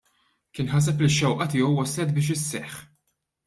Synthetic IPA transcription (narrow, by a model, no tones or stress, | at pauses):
kɪːnħɐs̬ɛp̬liʃːɛwʔɐt̪ɪːjɔwːɐslɛt̪̚bɪːʃ̬ɪsːɛħ